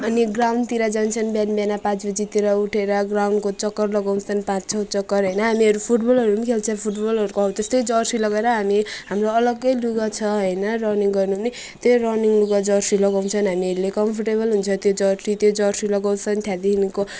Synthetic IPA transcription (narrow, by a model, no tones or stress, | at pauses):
ʌniɡrawnɖt̪iɾad͡zant͡sʰʌnbjanbjanapãt͡sbʌd͡zit̪iɾʌuʈʰeɾʌɡrawɳɖkot͡sʌkːʌrlʌɡaw̃nsʰʌnpãtt͡sʰʌwt͡sʌkːʌrɦʌjnʌɦamiʌɾupʰuʈbʌlʌɾumikʰelt͡sʰʌpʰuʈbʌlʌɾukoɦaw̃t̪ʌst̪ʌjd͡zʌrsilʌɡeɾʌɦamiɦamroʌlʌɡʌjluɡʌt͡sʰʌɦʌjnʌrʌniŋɡʌrnuni | t̪orʌniŋluɡad͡zʌrsilʌɡaw̃nt͡sʰʌnɦamiʌɾulekʌmpʰʌrʈebʌlɦunt͡sʰʌt̪jod͡zʌrsit̪jod͡zʌrsilʌɡaw̃sʰʌnt̪ʰjad̪iinko